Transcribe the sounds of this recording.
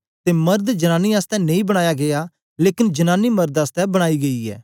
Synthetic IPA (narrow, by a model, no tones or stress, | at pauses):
t̪emɐɾd̪d͡ʒɐnaːniaːst̪ɛnẽĩbɐɽ̃aːjaɡea | leːkɪnd͡ʒɐnaːnimɐɾd̪aːst̪ɛbɐɽ̃aːiɡɐiɛ̰ː